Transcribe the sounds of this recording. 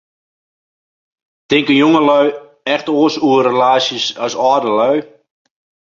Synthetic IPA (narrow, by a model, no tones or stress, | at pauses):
tɪŋkənjoŋəlœɥ | ɛxtoəsuərəlaːsəsœsɔːdəlœɥ